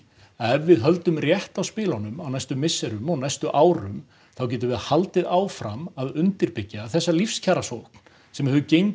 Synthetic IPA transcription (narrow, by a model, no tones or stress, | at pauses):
ɛvːɪðɦœlt̪ʏmrjɛht̪awspɪːlanʏmawnajst̪ʏmɪsːɛɾʏmɔnajst̪ʏʔaːwɾʏm | θawc̬ɛːt̪̬ʏvɛðhalt̪ɪðaːwfɾamaðʏnt̪ɪɾpɪcːaθɛsːalifscʰaːɾasowkn̥ | sɛmhɛːðʏcejɲ